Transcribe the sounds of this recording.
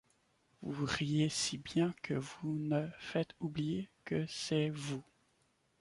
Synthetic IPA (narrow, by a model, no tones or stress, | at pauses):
vuʁijesibjɛ̃kʰəvunəfɛt̪ublijekəsɛvu